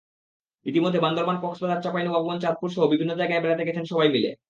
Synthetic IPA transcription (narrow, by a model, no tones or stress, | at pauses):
it̪imod̪ʱːeband̪oɾmanpɔksbad̪aɾt͡ɕapajnobʱɔbobont͡ɕat̪̚puɾʃoobibʱinːod͡ʑajɡaebɛlat̪eɡɛt͡ɕʰenʃɔbajmilḛ